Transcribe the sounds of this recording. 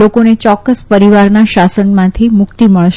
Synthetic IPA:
okonet͡ʃɔkːəspəɾiʋaɾnaʃasənmãt̪ʰimʊkt̪iməɭʃ

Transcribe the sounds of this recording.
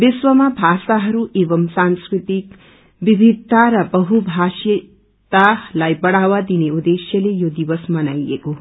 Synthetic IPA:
bisʋəmabʱaːsaɦɐɾuʔeːʋɐmsanskɾit̪ik | ʋibʱid̪ʱtːaɾabəɦubʱaʃ | t̪alajbɐɽaʋad̪ineud̪eʃjəlejod̪iʋəsmɐnajeko

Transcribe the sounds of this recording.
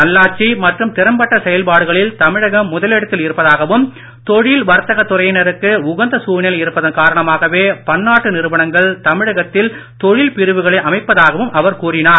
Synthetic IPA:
ɐlːaːt͡ʃːimɐʈrɯmt̪ɪɾɐmbɐʈːɐsɛjɐlpaːɽɯɣɐɭɪlt̪ɐmɪɻɐɣɐmːʊðɐlɛɽɐt̪ːɪlɪɾɯpːɐðaːɣɐʋɯm | t̪ɔɻɪlʋɐɾt̪ːɐɣɐt̪ːʊrɐjɪnɐɾɯkːɯʊɣɐnd̪ɐsuːɳɐlɐɪɾɯpːɐðɐnkaːɾɐɳɐmaːɣɐʋeːpɐɳːaːʈːɯnɪɾɯʋɐɳɐŋɡɐɭt̪ɐmɪɻɐɣɐt̪ːɪlt̪ɔɻɪlpɪɾɯʋɯɣɐɭɐɪʔɐmɐɪpːɐðaːɣɐʋɯmʔɐʋɐɾkuːrɪnaːɾ

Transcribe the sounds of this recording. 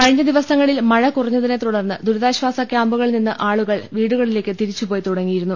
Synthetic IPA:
kɐɻiɲːɐd̪iʋɐsɐŋːɐɭilmɐɻɐkurɐɲːɐðine̞t̪uɽɐrnːɨd̪uɾɐðaːɕʋaːsɐkjaːmbuɣɐɭninːɨʔaːɭuɣɐɭʋiːɽuɣɐɭile̞ːkːɨt̪iɾit͡ɕːupo̞ːjt̪uɽɐŋːijiɾunːu

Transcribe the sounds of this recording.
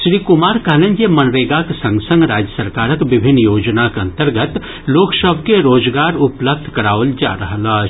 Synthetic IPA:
ʃɾiːkʊmaːɾkɐlə̃nd͡ʒemɐnɾeːɡaksɐ̃ŋɡsə̃ŋɡɾaːd͡ʒjəsəɾkaːɾəkʋɪbʱɪnːjoːd͡ʒnakɐ̃nt̪əɾɡət̪ | loːksəbʱkeɾoːd͡ʒɡaːɾʊpləb̚d̪ʱkɐɾaːʋəld͡ʒa̰ːɾɐɦla

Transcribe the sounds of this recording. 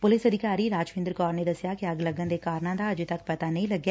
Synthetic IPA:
pʊlɪsɐd̪ʱɪkaːɾiɾaːd͡ʒʋɪ̃nd̪ɾkɔːɾned̪ɐsjakeɐɡlɐɡə̃nd̪ekaːɾnãːd̪aɐd͡ʒit̪ɐk̚pɐt̪anɐɦĩlɐɡjaː

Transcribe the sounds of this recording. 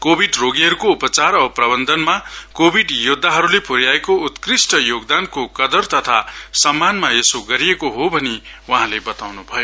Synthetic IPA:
kobʱiɖroɡiɦʌɾukoupʌt͡saɾʌprʌbʌnd̪ʱʌnmakobʱiɖjud̪ʱːaɦʌɾulepʰoɾjaekout̪krisʈʌjoɡd̪ankokʌd̪ʌrt̪ʌt̪ʰasʌmːanmaesoɡʌɾijekoɦobʱʌni | wʌɦãlebʌt̪awnubʱʌjo

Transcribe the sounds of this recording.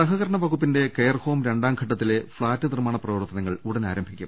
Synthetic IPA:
sɐɦɐɣɐɾɐɳɐʋɐɣupːinde̞kejɐrho̞ːmɾe̞ɳɖaːmkʰɐʈːɐt̪ːile̞fɭaːtːɨnirmaːɳɐprɐʋɐrt̪ːɐnɐŋːɐɭuɽɐnaːɾɐmbʱikʲːum

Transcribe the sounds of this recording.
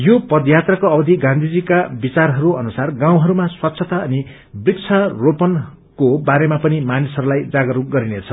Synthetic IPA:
jopʌd̪jat̪rakoʌbʌd̪ʱiɡãnd̪ʱid͡zikabit͡sarɦʌɾuʌnusarɡãw̃ɦʌɾumaswatːsʰʌt̪aʌni | brikt͡sʰʌropʌn | kobaɾemapʌnimanisɦʌɾulajd͡zaɡʌɾuɡʌɾinet͡sʰʌ

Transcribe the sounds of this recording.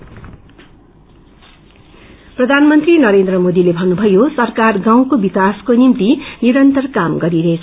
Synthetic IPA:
prʌd̪ʱanmʌnt̪rinʌɾend̪rʌmod̪ilebʱʌnːubʱʌjosʌrkarɡãw̃kobikaskonimt̪iniɾʌnt̪ʌrkamɡʌɾiɾʌɦet͡sʰ

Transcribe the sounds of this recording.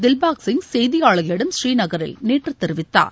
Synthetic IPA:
d̪ɪlbaːksɪŋɡsɛjðɪjaːɭɐɣɐlɪɽɐmʃɾiːnɐɣɐɾɪ̰lneːʈrɯt̪ːɛɾɪʋɪt̪ːa̰ːɾ

